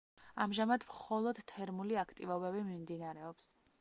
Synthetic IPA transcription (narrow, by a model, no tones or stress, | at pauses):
amʒamad̪mχɔlˠɔd̪̥t̪ʰɛɾmuliakʰt̪ʼivɔbɛbimimd̪inaɾɛɔps